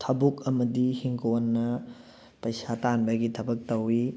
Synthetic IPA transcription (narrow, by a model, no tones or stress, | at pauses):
tʰɐbukɐmɐdihiŋɡonːɐ | pɐjsatanbɐɡitʰɐbɐk̚tɐwi